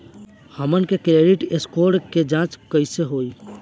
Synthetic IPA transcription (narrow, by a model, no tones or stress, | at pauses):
həmənkekɾeɖiʈeskoɾɖked͡ʒãt͡ʃkəɪseɦoi